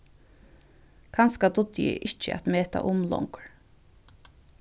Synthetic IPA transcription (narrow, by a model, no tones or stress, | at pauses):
kʰanskad̪ʊd̪jɪ̰ʔɪt͡ʃəa̰t̪meːt̪a̰ʔʊmlɔ̰ŋkɹ